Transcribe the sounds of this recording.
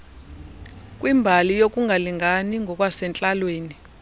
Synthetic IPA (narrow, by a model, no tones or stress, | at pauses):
k̬ʼwimbʱalijok̬ʼuŋʱaliŋaniŋʱɔk̬ʼwasɛnt͡ɬʼalweːni